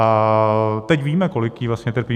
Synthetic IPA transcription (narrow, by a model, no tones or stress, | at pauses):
a | t̪ɛcviːmɛkolɪkjiːvlasɲɛt̪əɾpiː